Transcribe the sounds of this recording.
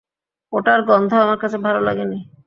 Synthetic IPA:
oʈaɾɡɔnd̪ʱoamaɾkat͡ɕʰebʱalola̰ɡeni

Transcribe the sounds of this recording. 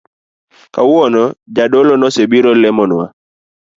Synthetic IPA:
kawɔnɔd͡ʒadolɔnɔsebiɾɔlɛmɔnwa̰

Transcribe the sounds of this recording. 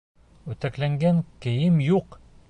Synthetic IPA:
ʉ̆t̪æklæŋɡæŋkɘ̆jɘmjuq

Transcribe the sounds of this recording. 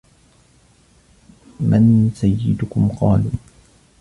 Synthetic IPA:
mansajːɪd̪ʊkʊmqɑːluː

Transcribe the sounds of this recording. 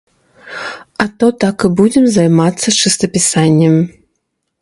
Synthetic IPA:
ɐt̪ɔt̪akɨbud͡zʲɛmzajmat̪sːɐt͡ʂɨst̪ɐpʲisanʲːɛm

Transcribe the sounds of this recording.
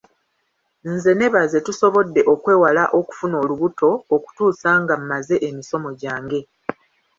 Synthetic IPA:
n̩ze̞ne̞βaze̞tuso̞βo̞dːe̞ʔo̞kwe̞ːwalaʔo̞ku̥funo̞ːluβuto̞ːku̥tuːsaŋɡam̩maze̞ʔemiso̞mo̞ɟaːŋɡe̞

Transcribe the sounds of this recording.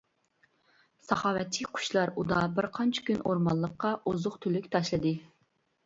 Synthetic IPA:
sɑχɑːwɛt̪ʰiqʰʊ̥ʃlˠɑɾud̪ɑbɪɾqʰɑnt͡ʃʰɪ̥kʲynoɾmɑnlˠːəqːɑʔuzʊχt̪ʰylykʲt̪ʰɑʃlˠɨd̪ɨ

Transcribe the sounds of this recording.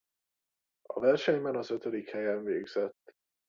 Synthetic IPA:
ɒ̰vɛrʃɛɲbɛnɒzøt̪ød̪ikhɛjɛɱveːɡz̥ɛt̪ː

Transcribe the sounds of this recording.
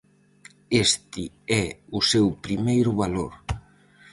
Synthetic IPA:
est̪ɪ | ɛʊsewpɾimejɾʊβaloɾ

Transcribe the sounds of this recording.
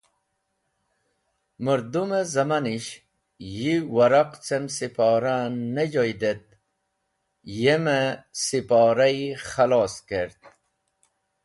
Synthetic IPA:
məɾd̪umezɐmaniɕ | jiwaɾaqt͡semsipɑːɾanːed͡ʑojd̪et̪̚ | jemesipɑːɾajχalɑːskeɾt̪̚

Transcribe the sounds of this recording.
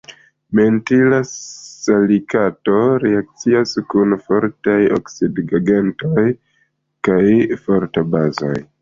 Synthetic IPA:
me̞ntilasalikato̞ɾeak̚t͡siaskunfo̞ɾtajo̰ksidɡaɡentoj | kajfo̞ɾtabazo̰j

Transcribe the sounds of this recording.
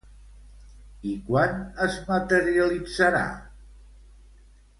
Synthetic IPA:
ikwanəzmət̪əɾiəlid͡zəɾa̰

